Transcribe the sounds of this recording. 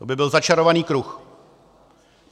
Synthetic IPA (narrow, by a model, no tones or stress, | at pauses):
obɪbɪlzat͡ʃaɾo̞vaniːkɾux